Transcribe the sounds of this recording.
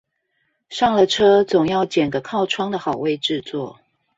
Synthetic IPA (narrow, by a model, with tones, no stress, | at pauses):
ʂɑ˥˩ŋlə˨ʈ͡ʂʰɤ˥t͡sʊ˨˩ŋjɑ˥˩ʊt͡ɕə˨˩nɡə˦kʰɑ˥˩ʊʈ͡ʂʰwɑ˥ŋd̪ə˨xɑ˨˩ʊwe˥˧ɪʈ͡ʂɻ̩˥˧t͡swɔ̰˥˩